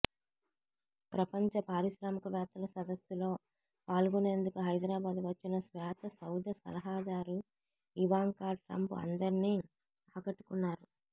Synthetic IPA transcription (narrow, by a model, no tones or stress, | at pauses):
pɾɐpɐɲt͡ʃɐpaːɾiʃɾaːmɐkɐʋjaːt̪ːɐlɐsɐd̪ɐsːulo̞ː | paːluɡune̞ːnd̪ukuɦɐjd̪ɾaːbaːd̪uʋɐt͡ʃːinɐsʋɛːt̪ɐsɐwd̪ʱjɐsɐ̰lɐɦaːd̪aːɾu | iʋaːŋkaːʈɾɐ̰mpuɐ̰nd̪ɐɾniː | aːkɐʈːu̥kunːaːɾu